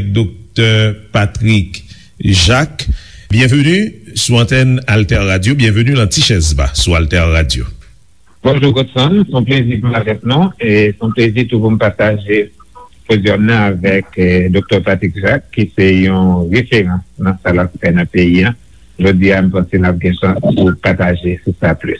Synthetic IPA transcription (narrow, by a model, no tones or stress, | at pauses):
k̚d̪ok̚t̪œʁpat̪ʁik | ʒak | bjɛ̃vønysuɑ̃t̪ɛnalt̪ɛʁːadjobjɛ̃vønylãtiʃɛzba̰sualt̪ɛʁːadjo̰ | b̥ɔ̃ʒuɡot̪sɔ̃nsɔ̃plezipuavɛk̚nũesɔ̃plezitupum̩paʁt̪aʒefozjɔmnãavɛkd̪ok̚t̪œʁpat̪ʁikʒakːisɛjɔ̃ʁefeʁɑ̃snɐ̃salapfɛnɐ̃peiã | oʒod͡zɥiam̩pãselap̚ɡɛ̃ʃɑ̃spupat̪aʒesusaplys